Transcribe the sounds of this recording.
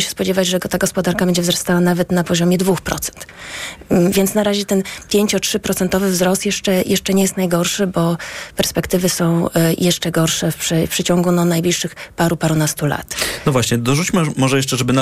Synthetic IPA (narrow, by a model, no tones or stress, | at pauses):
ɕɛ̥spɔd͡ʑɛvad͡ʑʐɛɡɔt̪aɡɔspɔd̪aɾkabɛɲd͡ʑɛvzɾɔst̪awanavɛt̪napɔʑɔmʲjɛd̪vuxpɾɔ̰t̪sɛ̥nt̪ | vʲjɛnt̪snaɾaʑɛt̪ɛnpʲjeɲt͡ɕɔtʂɘpɾɔt̪sɛnt̪ɔvɘvzɾɔst̪jɛʂt͡ʂɛjʔɛʂt͡ʂɛɲɛjɛst̪najɡɔɾʂɘbɔpɛɾspɛkt̪ɘvɘsɔ̃w̃jʔɛʂt͡ʂɛɡɔɾʂɛfpʂɘpʂɛt͡ɕɔŋɡunɔnajblʲiʂːɘxpaɾupaɾunast̪ula̰t̪nɔvwaɕɲɛd̪ɔʐut͡ɕmɘmɔʐɛjɛʂt͡ʂɛʐɛbɘn